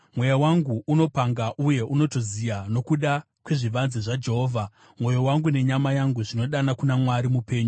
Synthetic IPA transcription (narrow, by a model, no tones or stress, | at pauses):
mwe̞jawaŋɡuuno̞paŋɡaʔuje̞ʔuno̞to̞zijano̞kuɗa | kwe̞ʐiʋanzeʐad͡ʒe̞ɦo̞ːvʱa | mwo̞jowaŋɡune̞ɲamajaŋɡuʐino̞ɗanakunamwaɾimupe̞ːɲu